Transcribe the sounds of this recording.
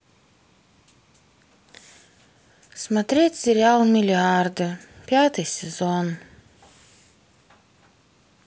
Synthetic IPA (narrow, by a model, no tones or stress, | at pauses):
smat̪ɾʲiɛt̪ʲsʲiɾʲalˠmʲilʲiaɾd̪ɨpʲjaːt̪ɨsʲɛzɔn